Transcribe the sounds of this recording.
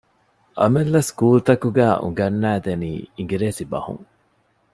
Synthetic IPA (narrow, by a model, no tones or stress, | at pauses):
ʔɐ̰melːɐskuːlt̪ɐkuɡæːʔṵŋɡɐnːæːd̪enḭːiŋɡiɾeːsibɐ̰hṵŋ